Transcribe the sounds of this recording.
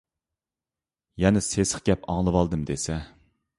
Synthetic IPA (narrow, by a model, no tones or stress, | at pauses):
jɛnɪsesə̥χɡʲɛpɑŋlˠɨwɑlˠd̪ɨmd̪esɛ